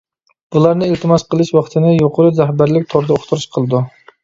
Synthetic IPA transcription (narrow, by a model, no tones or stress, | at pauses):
b̥ulˠɑɾnɨɪlt̪ʰɪmɑsqəlˠɨʃwɑχt̪ʰɨnɨjoqʰʊɾɨzæhbæɾlɪk̚ʲt̪ʰoɾd̪ɛoχt̪ʰuɾuʃqʰəlˠɨd̪u